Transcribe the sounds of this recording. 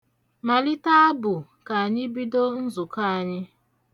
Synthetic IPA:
ma˨li˦ta˦a˦bʊ˨ | ka˨a˨ɲɪ˦bi˦do˦n̩˦zʊ˨ka˦a˨ɲɪ˦

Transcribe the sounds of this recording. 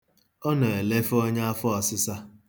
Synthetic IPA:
ɔ˦nɔ˨e˨le˦fɔ˦ɲa˦a˦fɔ˦ɔ˨sɪ˦sa˦

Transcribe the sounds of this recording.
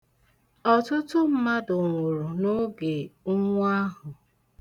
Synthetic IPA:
ɔ˨tʊ˦tʊ˦m̩˦ma˦dʊ˨ŋʷu˨ɾu˨nʊ˦ɡe˨ʊ˦ŋʷ˦a˦ɦʊ˨

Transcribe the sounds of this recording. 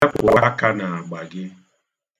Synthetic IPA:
kʊ̰˨a˦ka˦na˨a˨ɡ͡ba˨ɡɪ˦

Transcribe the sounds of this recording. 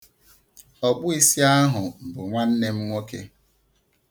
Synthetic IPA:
ɔ˨bʊ˦i˦si˦a˦ɦʊ˨m̩˨bʊ˨ŋʷa˦n̩˦ne˦m̩˦ŋʷo˦kḛ˦

